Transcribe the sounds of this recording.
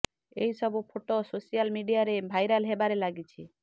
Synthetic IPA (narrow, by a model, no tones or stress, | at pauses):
eisɔbupʰoʈososijalmiɖijaɾebʱajɾalɦebaɾelaɡit͡ʃʰi